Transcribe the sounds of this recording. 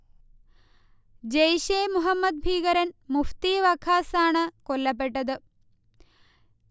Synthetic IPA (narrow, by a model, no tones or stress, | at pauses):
d͡ʑejɕeːmuɦɐmːɐd̪̚bʱiːɡɐɾɐnmuft̪iʋɐkʰaːsaːɳɨkolːɐpːeʈːɐðɨ